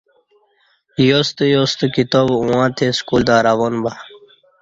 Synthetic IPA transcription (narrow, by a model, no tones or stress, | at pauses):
jost̪əjost̪ukit̪oːbũwãːt̪ʰeskuːld̪aːɾaʋonba